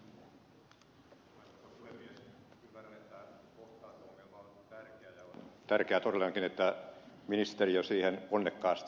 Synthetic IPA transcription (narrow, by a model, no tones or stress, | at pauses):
oɑsot̪ːɑpuhemːies | kylːærænet̪ːækoht̪ɑːt̪oŋkelːɑont̪ærkeæjɑont̪ærkeæt̪orelːɑŋkinet̪ːæminist̪eriosiːhenonːekːɑːst̪